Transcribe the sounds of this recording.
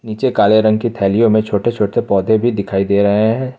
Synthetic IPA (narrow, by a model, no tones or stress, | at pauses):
niːt͡ʃekaːleɾɐ̃ŋɡ̚kit̪ʰɛːlijõmẽt͡ʃʰoːʈet͡ʃʰoːʈepɔːd̪ʱebʱid̪ɪkʰaːid̪eːɾɐɦeɦɛ̃ː